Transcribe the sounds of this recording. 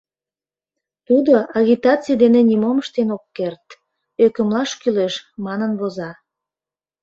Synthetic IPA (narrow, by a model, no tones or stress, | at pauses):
t̪ud̪oɑɣʲit̪ɑt͡sijd̪enenʲimoməʃt̪enokːert̪ | økəmlɑʃkyleʃmɑnənβozɑ